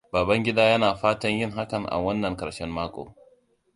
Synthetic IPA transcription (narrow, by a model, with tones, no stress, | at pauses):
baː˨bɐ˦ŋɡʲɪ˦daː˦jɐ˦naː˨ɸaː˦tɐ˦ɲjɪ˦ŋɦa˦kɐ˨ŋʔa̰˨wɐ˦nːɐ˨ŋkʼɐ˨ʃɛ˦mːaː˦kʷʼo̰ː˨